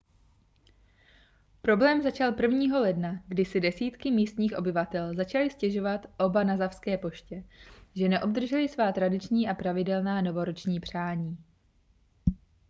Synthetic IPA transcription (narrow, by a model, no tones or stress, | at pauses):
pɾo̞blɛːmzat͡ʃalpr̩vɲiːɦo̞lɛdnaɡdɪsɪdɛsiːt̪kɪmiːst̪ɲiːxʔo̞bɪvat̪ɛlzat͡ʃalɪscɛʒo̞vat̪ʔo̞banazafskɛːpo̞ʃcɛʒɛnɛʔo̞bd̪r̩ʒɛlɪsvaːt̪ɾadɪt͡ʃɲiːʔapɾavɪdɛlnaːno̞vo̞ɾot͡ʃɲiːpr̝̥aːɲiː